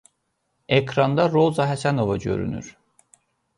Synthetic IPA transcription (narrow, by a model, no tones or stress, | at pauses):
ekʰɾɑnd̪ɑɾo̞zɑɦæsæno̞vɑɟø̞̰ɾy̰ny̰ɾ̥